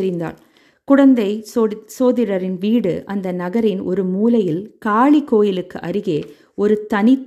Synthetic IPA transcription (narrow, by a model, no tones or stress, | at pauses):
ɾɪnd̪a̰ːl | kʊɽɐnd̪ɐɪsoːðɪɾɐɾɪnʋiːɽɯ̰ʔɐnd̪ɐnɐɣɐɾɪnʔɔ̰ɾɯmuːlɐjɪlkaːɭikːoːjɪlɯkːɯʔɐɾɯɣeː | ɔɾɯt̪ɐnɪt̪ː